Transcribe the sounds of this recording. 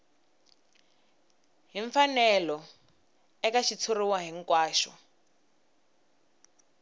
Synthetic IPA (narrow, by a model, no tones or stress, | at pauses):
ɦiɱfanɛlɔ | ɛkaʃit͡sʰuriwaɦiŋkwaːʃɔ̰